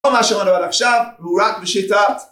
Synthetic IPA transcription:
omaʃemanoalaχʃavuɾakbeʃet̪at̪

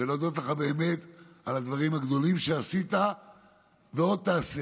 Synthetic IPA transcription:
elod̪ot̪leχabe̞ːme̞t̪alad̪vaʁimhaɡd̪o̞limʃeasit̪a | veo̞d̪̚t̪aːsi

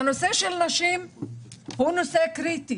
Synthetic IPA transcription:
anoseʃelnaʃim | hunosekɾit̪i

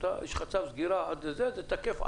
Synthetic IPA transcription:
t̪a̰jeʃχat͡savzɡiɾaad̪ezezet̪akefa̰

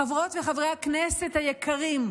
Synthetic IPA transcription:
avʁo̞t̪veχavʁejhaknesethajekʰaʁim

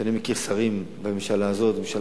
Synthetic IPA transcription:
animikiʁsaʁim | bememʃalaːzo̞t̪̚bemeʃal

